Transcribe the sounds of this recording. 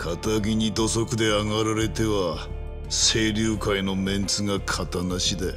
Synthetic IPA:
kʰat̪aɡʲiɲ̟id̪o̞so̞kɯ̟d̪e̞aŋaɾaɾe̞t̪e̞βa | se̞ːɾʲɨːkaino̞mẽ̞nt͡sɨɡakʰat̪anaɕid̪e̞

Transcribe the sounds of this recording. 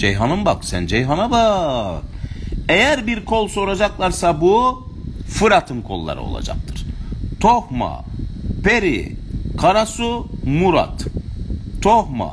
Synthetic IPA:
d͡ʒejɦanɯmbaksænd͡ʒejɦanabakejæɾbiɾkʰolˠso̞ɾad͡ʒaklˠaɾsabu | fɯɾat̪ʰɯmkʰo̞lˠːa̰ɾɯ̰o̞̰lˠa̰d͡ʒa̰k̚t̪ʰɯɾ̥t̪ʰohma̰pʰe̞ɾḭkʰaɾasumuɾa̰t̪ | t̪ʰohma̰

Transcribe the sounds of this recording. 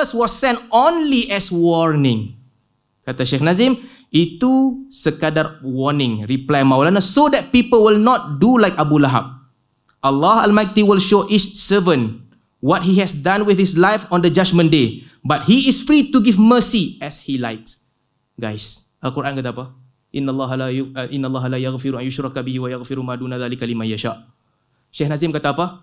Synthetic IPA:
əswɔsːɛ̃ntõnliʔɛswɔɹnɪ̃ŋ | kat̪aʃexnazĩm | itusəkadawɔnɪ̃ŋɹiplajmawlanasodɛt̚pipəlwilnɔt̚dulaɪkabulaɦa̰b̚ | ʔalːɔha̰lmaj̚tiwilʃoʔit͡ʃsəvə̃n | wɔt̚hiɦɛsdãnwɪθhis̬lajfɔ̃ndəd͡ʒad͡ʒmə̃nde | bat̚hiɪsfɹituɡivməsiɛshilaɪk̚s | ɡajs | əkuɾʔãnkat̪aːpa | ʔɪnːalːɑɦʔɪnːalːɑɦalajaɣfɪɾuãnjʊʃɾɑkabiɦiwajaɣfɪɾumaduːnaðaːlikalimãjaʃa̰ʔ | ʃehnazɪ̃mkat̪aːpa

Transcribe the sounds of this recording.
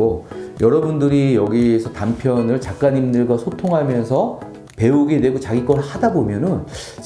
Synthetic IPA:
ojʌɾʌbundɯɾijʌɡisʰʌtampʰjʌnɯɭt͡ɕak͈̚aɲimdɯɭɡwasʰotʰoŋɦamjʌnsʰʌ | pe̞uɡe̞dwe̞ɡot͡ɕaɡik͈ʌɾɯɭhadabomjʌnɯn

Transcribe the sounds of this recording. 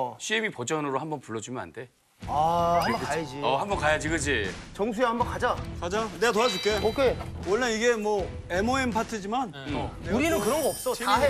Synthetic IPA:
ɕʰiemipod͡ʑʌnɯɾohambʌnpuɭːʌd͡ʑumjʌna̰nde̞ | ahambʌkaed͡ʑiʌhambʌnkajad͡ʑiɡɯd͡ʑit͡ɕʌŋsʰuehambʌnkad͡ʑakad͡ʑaneɡat̬oas̬ʰuɭk͈eokʰewʌɭːeiɡe̞mwʌemoenpʰatʰɯd͡ʑiman | euɾinɯnkɯɾʌnɡʌʌp̚s͈oiaɦe

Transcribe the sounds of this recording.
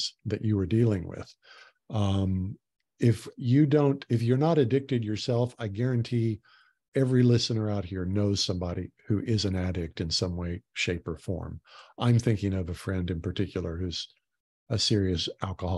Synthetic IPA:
z̥ðɨ̰t͡ʃɨwə˞dilˠɪ̃ŋwɪ̰ð̥ | m | ɪfjɨdõʊ̃ntɨfjə˞nəɾɨdɪk̚tɨdjə˞sɛlˠfaɪɡɛɹɨ̃ntʰi | ɛvɹilɪsɨnə˞aʊt̚hiɹnoʊz̥sʌ̃mbɑɾihʉʔɪzɨ̃næɾɪk̚tɨ̃nsʌ̃mweɪʃeɪpə˞fɔ̰ɹmʔãɪ̃mθɪ̃ŋkɪ̃ŋʌvɨfɹɛ̃ndɨ̃npʰə˞tʰɪkʰjl̩ˠə˞hʉz̥ | ɨsɪɹiɨsʔælˠkəhɑ

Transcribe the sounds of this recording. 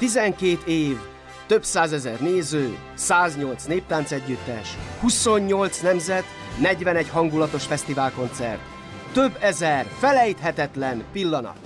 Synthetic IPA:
t̪izɛŋkeːt̪eːv | t̪ø̞bsaːzɛzɛrneːzøː | saːzɲo̞lt̪sneːp̚t̪aːnsɛɟːyt̪ːɛ̰ʃhuso̞ɲːo̞lt̪snɛmzɛt̪ | nɛɟvɛnɛɟɦɒŋɡulɒt̪o̞ʃfɛst̪ivaːlko̞nt̪sɛ̰rt̪ː | ø̞bːɛzɛrfɛlɛjt̪ɦɛt̪ɛt̪lɛnpilːɒnɒ̰t̪

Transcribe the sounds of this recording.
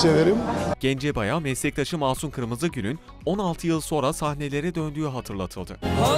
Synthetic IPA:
ed̪eɾimɟ̥ɛnd͡ʒɛbajamɛslʲɛc̚t̪ʰaʃɯmaːsunkʰɯɾmɯzɯɟynyn | o̞nalˠt̪ʰɯjɯlˠso̞nɾasahne̞lʲe̞ɾɛd̪ø̞nd̪yjyɦat̪ʰɯɾlˠat̪ʰɯlˠd̪ɯ

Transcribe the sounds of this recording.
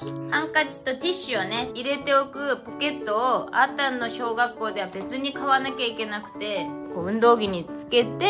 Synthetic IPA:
hãŋkat͡ɕi̥t̪o̞t̪ʲiɕɨone̞iɾe̞t̪e̞okɯ̟po̞ke̞t̪ːo̞ːa̰t̪ãnːo̞ɕo̞ːɡakːo̞ːd̪e̞β̞abe̞t͡sɨɲ̟ikaβanakʲaike̞nakɯ̟̥t̪e̞koːɯ̟̃nd̪o̞ːɡʲiɲ̟it͡sɨ̥ke̞t̪e̞

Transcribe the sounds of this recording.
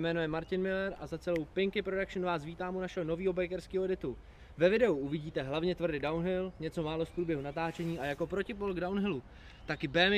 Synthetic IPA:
mɛːnujɛmaɾcɪnmɪlɛɾʔa̰zat͡sɛlowpɪŋkɪpɾodakʃnvaːsviːt̪aːmunaʃɛono̞viːɦo̞bɛjkɛɾskiːɦodɪt̪u | vɛvɪdɛuʔuvɪɟiːt̪ɛɦlavɲɛt̪vr̩dɪdawnɦɪlɲɛt͡so̞maːlo̞spɾuːbjɛɦunat̪aːt͡ʃɛɲiːʔajako̞pɾo̞cɪpolɡdawnɦɪlu | t̪akɪbɛːmɪ

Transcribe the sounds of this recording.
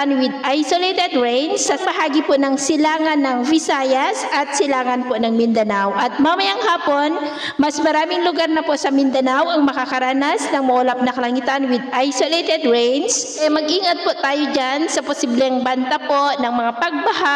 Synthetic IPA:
nwɪd̪̚ʔajsolet̪ɛd̪ɹɛjnsɐpɐɦaːɡiponɐŋsɪlaːŋɐnːɐŋvɪsaːjɐsʔɐt̪̚sɪlaːŋɐnpoʔnɐŋmɪnd̪ɐnawʔɐt̪̚mɐmɐjaŋhaːpo̞n | mɐsmɐɾaːmɪŋlʊɡaɾnɐpoʔsɐmɪnd̪ɐnawʔɐŋmɐkakɐɾaːnɐsnɐŋmɐʔolɐp̚nɐkɐlɐŋɪt̪anwɪd̪̚ʔajsolejt̪ɛd̪ɹɛjnsʔɛmɐɡʔiːŋɐt̪̚poʔt̪aːjod͡ʒansɐposiblɛŋbɐnt̪apo̞ʔnɐŋmɐŋapɐɡ̚bɐɦa

